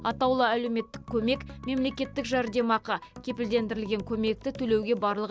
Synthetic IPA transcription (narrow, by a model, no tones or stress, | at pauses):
ɑt̪ɑwlˠəælewme̞t̪ːɪ̥kʲʰːɵme̞kme̞mle̞kʲe̞t̪ːɪkʒɑɾd̪e̞mɑqɑkʲʰe̞pɪld̪e̞nd̪ɪɾɪlɡʲe̞ŋkʲʰɵme̞k̚t̪ɪt̪ʰɵle̞wɡʲe̞bɑɾlˠəʁ